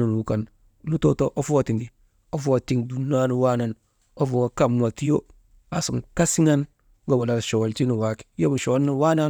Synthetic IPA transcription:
u˨n˨u˨˦ka˨n | lu˦to˦to˦ʔo˦fwa˨ti˨ndi˨ | o˦fwa˨ti˦ŋdu˦nːa˦nu˨wa˦na˨n | o˦fo˨a˨ka˦˨mna˨ti˦jo˦ | a˨su˨ŋka˦si˦ŋa˦n | ɡo˦˨wa˨la˨ʃo˨wo˨lti˦nu˨wa˦ki̥˨jo˦bu˨ʃo˨wlːi˦wa˦na˦

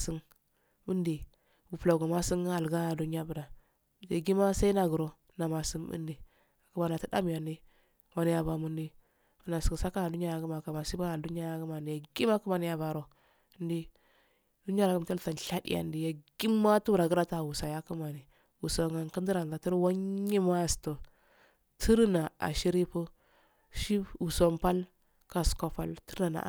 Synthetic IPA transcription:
si˦ŋ | bu˦ndi˨ | bu˨pla˨ɡo˨ma˦si˦ŋ˦a˨lɡa˦˨du˦n˦a˦bu˨ɾa˨ | a˨ɡi˦ma˦sa˦i˦na˦˨ɡə˨ɾo˦ | na˨ma˨si˦mbṵ˦ndi˨ | a˨kə˦ma˨na˨ti˦da̰˦m˨a˨ndi˦ | wa˦ni˦ja˨ba˨mu˦ndi˦ | u˨˦na˨si˨ɡsa˦ka˦a˨du˦n˦a˦ja˨ɡu˦ma˨ka˨ma˨si˦ba˦a˨du˦n˦a˦ja˦ɡə˦ma˨ndi˨ja˨ɡi˦ma˦ku˦ma˨ni˨ja˨ba˨ɾo˨˦ | n˦di˦ | du˦n˦a˦ɾa˨ɡə˦m˨ta˦lta˨n˨ɬa˦dḭ˦ʔa̰˨ndi˨ja˨ɡ̥i˦mːa˦tu˦ɾa˨ɡə˦ɾa˦ta˦˨wu˨sa˨ja˦ku˦ma˨ni˨ | wu˨so˨ŋa˨nkə˦di˦ɾa˨nda˨ti˦ɾwa˦ɲːi˦ma˦˨sto˨ | tʰi˦ɾna˨a̰˨ʃi˦ɾi˦pə˦ | ʃi˦u˨so˨mpa˦l | ka˦˨sko˨fa̰˦˨ltə˦ɾna˨na̰˨

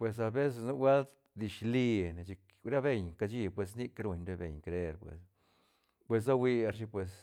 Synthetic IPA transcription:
pwe˨s̬a˧be˦s̬e˧˨snu˦ɡʷa˦lt̪ | d̪i˨ʃli˧ne˨t͡ʃi˧k | ɾa˦be˧ɲka˧t͡ʃi˧pwe˨s̬ni˦kɾu˧ɲɾe˧bḛ˨ɲkɾe˦˧ɾpwḛ˨s | pwe˧s̬a˦wi˧a˧ɾʃi˧pwe˨s

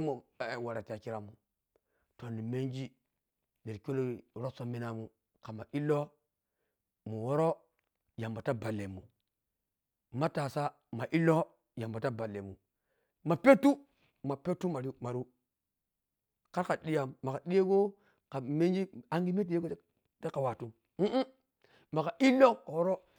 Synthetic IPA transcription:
mo˨wa˨ɾa˨ta˨ki˦ɾa˨mu˨ | to˨ni˨me˦nd͡ʒi˦ | de˨ɾko˦lo˦˨ɾo˦so˦mi˦na˨mu˦ | ka˨ma˨ʔi˦lːo˦ | mu˨wo˦ɾo˦ | ja˨mba˨ta˦ba˨lːe˨mu˨ | ma˦ta˨sa˦ | ma˨ʔi˦lːo˦ | ja˨mba˨ta˦ba˨lːe˨mːu˨ | ma˨pe˦tu˦ | ma˨pe˦tːu˦ma˨ɾi˦ma˨ɾu˦ | ka˦ɾka˨ɗi˦ja˨ma˨ka˨ɗi˦je˦ɡo˦ | ka˨me˦nd͡ʒi˦a˦ŋɡi˦me˦di˦je˦ɡo˦ | ta˦ka˨wa˨tu˦ | ma˨ka˨ʔi˦lo˦ka˨wo˦ɾo˦

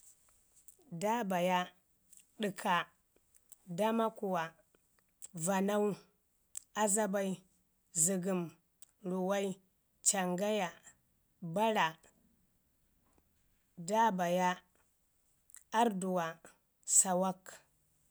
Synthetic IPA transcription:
da˦ba˨ja˦ | ɗi˨kʰa˨ | da˦ma˦ku˨wa˨ | va˨na˦wu˦ | a˦za˦ba˦i˦ | zi˨ɡi˨m | ɾu˨wa˦i˦ | t͡ʃa˨ŋɡa˦ja˨ | ba˦ɾa˨ | da˦ba˨ja˦ | a˦ɾdu˨wa˨ | sa˨wa˦k

